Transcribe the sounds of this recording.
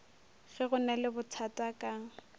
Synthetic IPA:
ɣɛɣʊnalɪbʊt͡sʰatʼakʼaːŋ̩

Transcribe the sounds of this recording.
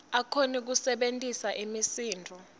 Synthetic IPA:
akʰonik̬usɛɓentʼisaʔimisiːndʱɔ

